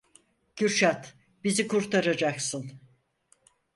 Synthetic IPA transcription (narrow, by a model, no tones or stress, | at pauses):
ɟyɾʃat̪ | bizikuɾt̪ʰaɾad͡ʒaksɯn